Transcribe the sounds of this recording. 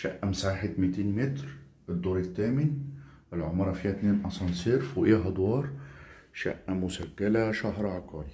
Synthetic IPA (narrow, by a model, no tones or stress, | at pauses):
ʃæʔːæmsaːħet̪mɪt̪iːnmɪt̪ɾ | ɪd̪ːoːɾˤɪt̪ːæːmɪnʔɪlʕomɾˤɑfiːhæt̪neːnʔɑsˤɑnseːɾfuʔeːɦɑd̪ˤwɑːɾˤ | ʃæ̰ʔːæmʊsæɡːalæʃaɦɾʕɑqɑːɾi